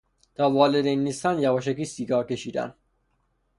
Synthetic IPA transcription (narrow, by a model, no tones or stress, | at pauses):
t̪ʰɒːvɒːled̪enːiːst̪ænjævɒːʃ̬ækiːsiːɡɒːɾke̞ʃiːd̪æ̰n